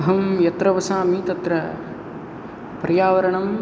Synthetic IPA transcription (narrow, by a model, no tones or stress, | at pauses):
ɦɐmjɐt̪ɾɐʋɐsaːmit̪ɐt̪ɾɐ | pɾɐjaːʋɐɾɐɳɐm